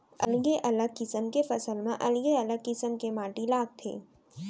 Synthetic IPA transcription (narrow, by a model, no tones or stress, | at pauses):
ɐ̰lɡeʔɐləkɪsəmkefɐsəlmã̰ʔɐlɡeɐləɡkɪsəmkemaːʈilaːɡ̚t̪ʰḛː